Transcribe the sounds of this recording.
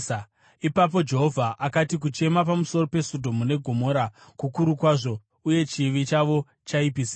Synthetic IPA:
ipap̬o̞d͡ʒe̞ɦo̞vʱaʔakatik̬ut͡ʃe̞mapamuso̞ro̞pe̞sodʱo̞mune̞ɡʱo̞moɾa | kukuɾukwaːʐo̞ | uje̞t͡ʃiʋit͡ʃaʋo̞ | t͡ʃaipisi

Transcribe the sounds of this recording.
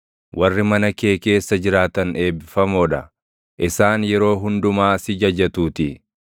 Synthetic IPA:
wʔɐrːɪmɐnɐke̞ːke̞ːsːɐd͡ʒɪɾaːt̪ɐne̞ːbɪfɐmoːᶑɐ | ʔɪsaːnjɛɾo̞ːɦʊnd̪ʊmaːsɪd͡ʒɐd͡ʒɐt̪uːt̪ɪ

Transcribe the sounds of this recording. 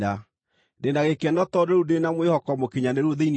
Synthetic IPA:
a | ndenaɣekɛnɔtɔdeɾudenamwehɔkɔmokeɲaneɾuoðein

